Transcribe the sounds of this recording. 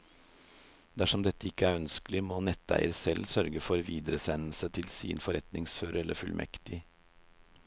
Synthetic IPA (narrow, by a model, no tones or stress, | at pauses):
d̪æʂɔmd̪ɛt̪ːəɪkːəæːɾœnskəlɪmoːnɛt̪ːæ̰ɪəɾsɛlsœɾɡəfɔɾʋiːd̪əɾəsɛnl̩sət̪ʰɪlsḭːnfɔɾɛt̪nɪŋsføːɾəɛləɾfʉlmʔɛ̰kt̪ɪ